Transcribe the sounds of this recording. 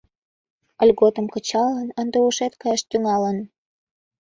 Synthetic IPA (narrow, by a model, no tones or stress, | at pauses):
əlʲɣot̪ə̆mkət͡ɕɑlənənd̪euʃet̪kɑjɑʃt̪yŋɑlən